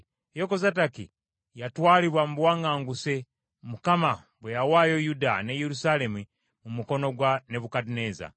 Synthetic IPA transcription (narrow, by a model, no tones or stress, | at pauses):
jokozatakḭ | jatwaːliβwamuβwaːŋɡaːŋɡuse̞ | mukama | βwejawaːjo̞judane̞jeɾusale̞mu | mumuko̞no̞ɡwane̞βukatineːza̰